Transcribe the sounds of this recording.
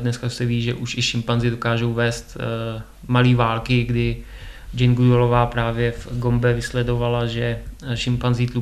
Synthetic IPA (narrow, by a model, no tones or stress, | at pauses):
dnɛskasɛviːʒɛʔuʃɪʃɪmpanzɪdo̞kaːʒo̞wvɛːst̪ | maliːvaːlkɪɡdɪ | d͡ʒɛnɡudolovaːpɾaːvjɛfɡo̞mbɛvɪslɛdo̞valaʒɛʃɪmpanzit̪lu